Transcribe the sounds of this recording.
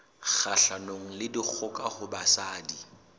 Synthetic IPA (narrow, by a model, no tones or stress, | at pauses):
ɣaɬanoŋ̩lɪdik͡xʰʊkʼaχʊbasaːdi